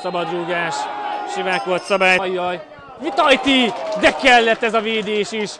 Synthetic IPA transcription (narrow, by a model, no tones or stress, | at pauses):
sɒbɒd̪ɾoːɡaːʃʃivaːko̞lt̪sɒbaːjjːɒj | vit̪ɒjt̪iːd̪ɛkɛlːɛt̪ːɛzɒveːd̪eːʃiʃ